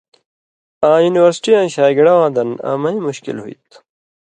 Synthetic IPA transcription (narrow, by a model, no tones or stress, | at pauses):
ãːjuːniwɐɾsʈiãːɕaːɡɐɽɐwãːd̪ɐna̰ːmɐĩmuɕkḭlɦuḭt̪